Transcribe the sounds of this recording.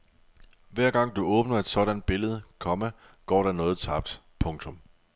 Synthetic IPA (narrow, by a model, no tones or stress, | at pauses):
ʋæɐ̰ɡ̥ɑ̈ŋ̰d̥uɔ̽ːb̥nɐe̝d̥sɒ̽ɾænd̥̚b̥e̝ləð̞̩ˠəkʰɒ̽mə | ɡ̥ɒ̰ːɾænɔ̽ːð̞̩ˠt͡sʰɑ̈b̥̚d̥ | pʰɔ̽ŋt͡sʰɔ̽m